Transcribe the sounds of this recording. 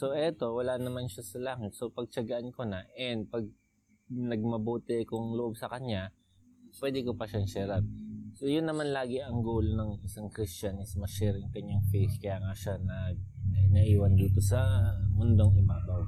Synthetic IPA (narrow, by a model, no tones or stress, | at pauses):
so̞ʔɛt̪o̞wɐlanɐmanʃasɐlaːŋɪt̪̚so̞pɐɡ̚t͡ʃɐɡɐʔankonɐʔɛnd̪̚pɐɡ̚ | nɐɡ̚mɐboːt̪ɛkʊŋloʔob̚sɐkɐɲːa | pwɛːd̪ɛkopɐʃɐnsɛːɾat̪̚so̞jʊnːɐmanlaːɡɪʔɐŋɡoːlonɐŋʔɪsaŋkɾɪst͡ʃanɪsmɐʃɛːɾɪŋkɐɲːaŋfejskɐjaːŋaʃanɐɐʔnɐʔiːwɐnd̪iːt̪o̞sɐmʊnd̪oŋʔɪbaːbaw